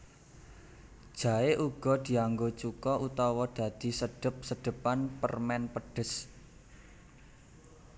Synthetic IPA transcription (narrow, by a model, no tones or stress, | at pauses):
d̥ʒ̥ä̤eʔuɡ̥ɔ̤d̪̥i̤aŋɡot͡ʃukɔʔut̪ɔwɔd̪̥ä̤d̪̥i̤səɖ̥ə̤p̚səɖ̥ə̤panpə̰rmɛnpəɖ̥ə̤s